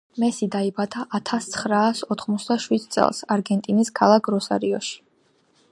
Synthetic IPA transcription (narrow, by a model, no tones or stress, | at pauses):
mɛsid̪aibat̪ʰaʔat̪ʰast̪sʰχɾaːsɔt̪ʰχmɔt̪sʰd̪aʃwid̪t̪sʼɛ̰lˠsaɾɡɛnt̪ʼiniskʰalˠakʰɾɔsa̰ɾiɔʃi̥